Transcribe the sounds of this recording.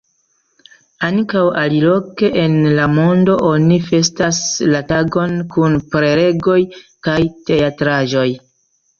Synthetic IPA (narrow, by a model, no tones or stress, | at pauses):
ankawalilo̞ke̞ʔenlamo̞ndo̞ʔo̞nife̞staslataɡo̞nkunpɾe̞ɾe̞ɡo̞jkajte̞atɾaʒo̞j